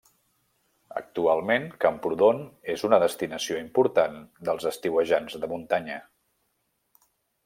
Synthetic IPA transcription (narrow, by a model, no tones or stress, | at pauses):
ə̰k̚t̪ualˠmeŋkəmpɾuðonezunəðəst̪inəsioimpuɾt̪and̪əlˠzəst̪iwəʒanzðəmunt̪aɲə